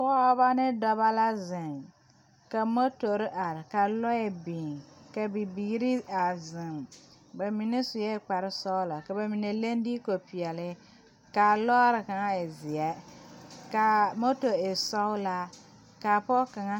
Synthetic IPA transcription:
pɔ˦ba˦nɪ˦dɔ˦ba˦la˦zɪ˨ŋ | ka˨mo˦to˨ɾɪ˦ʔa˨ɾɪ˨ka˨lɔ˦ɛ˨bĩː˨ŋka˨bi˨biː˨˦ɾi˦a˨zɪ˨m | ba˨mi˨nɛ˦sʊ˨jɛ˦˨k͡pa˨ɾɪ˦sɔ˦ʊ˦la˨ka˨ba˨mi˨ne˨le˦n˦di˦ko˨pi˨ɛ˨lɪ˦ | ka˨lɔː˦ɾɪ˨ka˨ŋa˦ɪ˨zɪ˨ɛ˦ | ka˨mo˦to˨e˨sɔ˦ʊ˦la˦ | ka˨pɔ˦ka˨ŋa˦

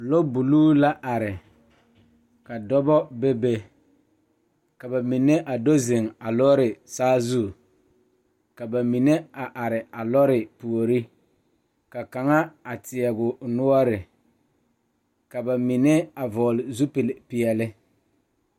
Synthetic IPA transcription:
lo˦bu˨luː˦la˦ʔa˨ɾɪ˨ | ka˨dɔ˦bɔ˦bɛ˦be˦ | ka˨ba˨mi˨ne˦ʔa˨do˦zɪ˨ŋa˨lɔ˦ɾɪ˨saː˦zu˦˨ | ka˨ba˨mi˨ne˦a˨ʔa˨ɾɪ˨a˨lɔ˦ɾɪ˨pu˨o˨ɾi˦ | ka˨ka˨ŋa˦a˨tɪ˨ɛ˨ɡʊ˨nʊ˦ɔ˦ɾɪ˨ | ka˨ba˨mi˨ne˦a˨vɔː˨lɪ˨zu˦pɪ˨lpɪ˨ɛ˨lɪ˦

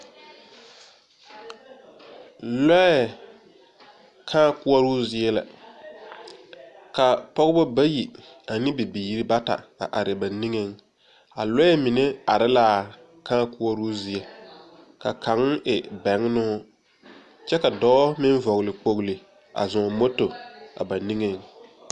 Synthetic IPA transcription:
lɛ˦ɛ˨ | kʰãː˦kʊ˦ɔ˦ɾʊː˦zɪ˦ɛ˦la̰˨ | ka˨pɔ˦ɣbʊ˦ba˦ji˨ | a˨nɪ˦bɪ˨bi˨ji˦ɾi˦ba˦ta̰˨ka̰˨ʔa˨ɾɪ˨ba˨ni˦ŋe˨ŋ | a˨lɔ˦ɛ˦mɪ˨ne˦a˨ɾɪ˦laː˦˨ | kãː˦kʊ˦ɔ˦ɾu˦zɪ˦ɛ˨ | ka˨kʰa˨˦ŋ˦ʔɪ˨bɛ˨˦ŋ˦nʊ˦ | t͡ʃɛ˦ka˨dɔː˦mɪ˦n˦vɔ˨ɣlɪ˨k͡po˨ɣlɪ˨ | a̰˨zɔ̃˨mo˦to˨a̰˨ba˨ni˦ŋe˨ŋ

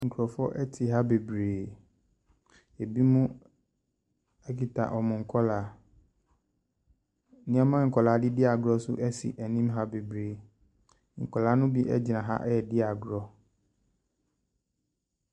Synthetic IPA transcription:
ŋ̩˨kʰu˨ɾɔ˨fɔ˦ʔɛ˦tʰɪ˨ɦa˦be˨bɾeː˨ | e˨bi˦mũ˦ | ɛ˦ki˨tʰa̰˨ʔɔ˨mʊ̃˨ŋ̩˨kʰɔ˦laː˨ | nɪ̃˦a˦mã˦ŋ̩˨kʰɔ˨la˨˦dɪ˦dɪ˦a˨ɡɾɔ˦sʊ˦ʔɛ˦sḭ˨ʔɛ˨nĩ˦mɦa˦be˨bɾeː˨ | ŋ̩˨kʰɔ˨la˨˦nʊ̃˦bi˦ʔɛ̰˦d͡ʑi˨nã˨ɦa̰˦ʔɛ˦ɛ˨dɪ˦a˨ɡɾɔ˦

